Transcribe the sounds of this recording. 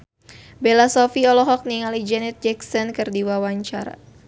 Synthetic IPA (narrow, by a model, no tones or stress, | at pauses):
belasɔfiɔlɔɦɔk̚niŋalid͡ʒɛnɛt̪̚d͡ʒɛksɔnkɨrdiwawaɲt͡ʃaɾa̰